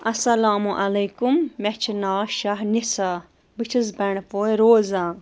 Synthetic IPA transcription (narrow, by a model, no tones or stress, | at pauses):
ɐsɐlaːmuʔɐleːkummɛt͡ʃʰinaːʃaɦnisa | bit͡ʃʰizbɐɳ̃poːeɾoːzãː